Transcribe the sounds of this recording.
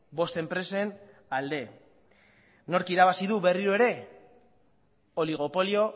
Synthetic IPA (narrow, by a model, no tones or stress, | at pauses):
bo̞st̪e̞mpɾe̞sen | ald̪e̞ | no̞ɾkiɾaβ̞asiðuβe̞riɾoe̞ɾe̞ | oliɣ̞o̞po̞lio̞